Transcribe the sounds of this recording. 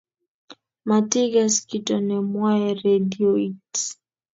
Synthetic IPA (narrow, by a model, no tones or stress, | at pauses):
matiɡaskitɔnɛmwaɛɾɛdiɔit